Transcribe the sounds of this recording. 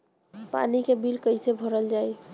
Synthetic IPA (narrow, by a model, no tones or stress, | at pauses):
pa̰nikebilkəɪsebʱəɾəld͡ʒaj